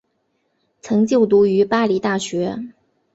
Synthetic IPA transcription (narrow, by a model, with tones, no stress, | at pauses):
t͡sʰɤ˧˥ŋt͡ɕjo˥˩ʊt̪̬u˧˥y˧˥pa˥li˧˥t̪a˥˩ɕɥɛ˧˥